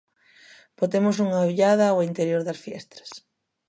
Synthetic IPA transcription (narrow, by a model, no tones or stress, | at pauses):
bot̪emʊsuŋaβiʎaðɐoint̪eɾjoɾðɐsfjɛst̪ɾɐ̥s